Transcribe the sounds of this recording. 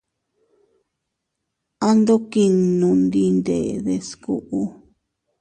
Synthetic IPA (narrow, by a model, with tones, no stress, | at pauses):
a˦nd̪o˦ki˧nũ˧nd̪i˧nd̪e˨ðe˧sku˦˧ʔu˧˦